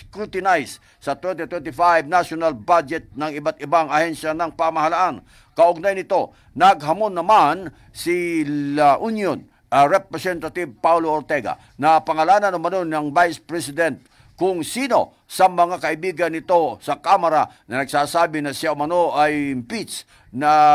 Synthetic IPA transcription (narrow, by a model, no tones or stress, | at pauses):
skɾut̪ɪnajsː | ɐt̪wɛnt̪it̪wɛnt̪ɪfajbnaʃonalbad͡ʒɛt̪̚nɐŋɪbat̪̚ɪbaŋɐhɛnʃanɐŋpamɐhalaʔan | kɐʔʊɡ̚najnɪt̪o̞ | nɐɡɦɐmonːɐman | silaʔunjon | ʔɐɾɛpɹɛsɛnt̪at̪iv̚pawlooɾt̪ɛɡa̰ | nɐpɐŋɐlaːnɐnʊmɐno̞nɐŋvajspɹɛsɪd̪ɛnt̪̚ | kʊŋsiːno̞ | sɐmɐŋakɐʔibiːɡɐnːɪt̪o̞sɐkamɐɾa | nɐnɐɡsaːsaːbɪnɐsɪjaʔʊmɐnoʔajmpis | nɐ